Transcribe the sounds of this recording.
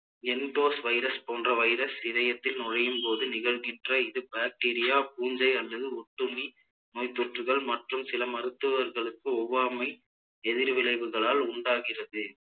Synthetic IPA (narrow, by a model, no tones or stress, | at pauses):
ɛnʈoːsʋɐɪɾɐspoːndrɐʋɐɪɾɐsɪʋɐjɐt̪ːɪlnʊɻɐjɯmpoːðɯnɪɣɐɭɣɪndrɐɪðɯbaːk̚ʈiːɾɪjaːp̚uːɲd͡ʒɐɪɐlːɐðɯʊʈːʊnːi | noːjt̪ːɔʈrɯɣɐɭmɐʈrɯmsɪlɐmɐɾɯt̪ːɯʋɐɾɣɐɭɯkːɯɔʋːaːmɐɪ | ɛðɪɾʋɪlɐɪʋɯɣɐɭaːlʊɳɖaːɣɪrɐðɯ